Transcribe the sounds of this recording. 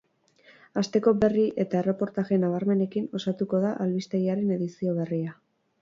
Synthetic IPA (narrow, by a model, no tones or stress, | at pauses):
ast̪e̞ko̞be̞riʔe̞t̪ae̞re̞po̞ɾt̪aɣe̞naβ̞aɾme̞ne̞kino̞sat̪uko̞ðaʔalβist̪eɣiaɾe̞ne̞ðisio̞β̞e̞ria